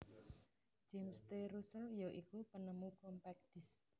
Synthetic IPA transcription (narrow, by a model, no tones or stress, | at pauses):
d͡ʒ̥ɛmst̪eɾusəljɔʔikupənəmukɔmpɛk̚d̥is